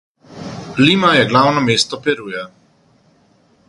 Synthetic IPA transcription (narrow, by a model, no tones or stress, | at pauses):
limajɛɡlaːwnɔmeːst̪ɔpɛɾujɛ